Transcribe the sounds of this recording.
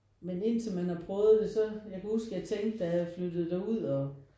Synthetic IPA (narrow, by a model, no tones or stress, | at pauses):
mene̝n̰t͡sʰe̝lmænhɑ̈pʰʁœːð̩ˠd̥e̝sɒ̽jɑ̈kʰæhusɡ̥jaæt͡sʰeŋɡ̥d̥ææflød̥ð̞̩ˠd̥æuð̞̰ˠɒ̽